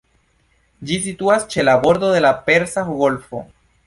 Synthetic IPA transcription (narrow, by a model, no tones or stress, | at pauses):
d͡ʒisit̪uast͡ʃe̞labo̞ɾd̪oðe̞lapeɾsaɣolfo̰